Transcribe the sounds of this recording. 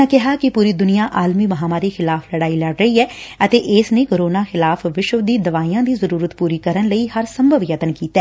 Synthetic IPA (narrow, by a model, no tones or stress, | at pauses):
ãkɪɦaːkɪpuːɾiːd̪ʊnɪjãːʔaːlmiːməɦaːmaːɾiːxɪlaːfʰləɽaːiːlɛɖɾəɦiːɛːət̪eːʔɪːsneːkoːɾoːnaːxɪlaːfʰʋɪʃəʋd̪iːd̪əʋaːiːãːd̪iːzəɾuːɾət̪puːɾiːkəɾənləiːhəɾsəmbʱəʋjət̪ənkiːt̪ɛː